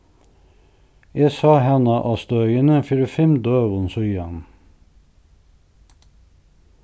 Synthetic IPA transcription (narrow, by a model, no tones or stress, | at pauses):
jesɑːhɛnəʔɑst̪œœʏənəfʏɾəfɛmd̪øːʁʊnsɔʏɑn